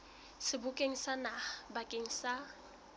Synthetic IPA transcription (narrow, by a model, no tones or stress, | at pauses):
sɪbʊkʼeŋ̩sanabakʼeŋ̩sa